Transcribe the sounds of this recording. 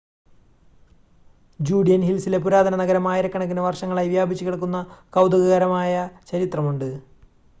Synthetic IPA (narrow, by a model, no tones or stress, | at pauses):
d͡ʑuːɖijɐnɦilsile̞puɾaːd̪ʱɐnɐnɐɡɐɾɐmaːjiɾɐkːɐɳɐk̬ːinɐʋɐrʂɐŋːɐɭaːjʋjaːbʱit͡ɕːukiɽɐk̬ːunːɐkɐwd̪ɐɣɐɣɐɾɐmaːjɐt͡ɕɐɾit̪rɐmuɳɖɨ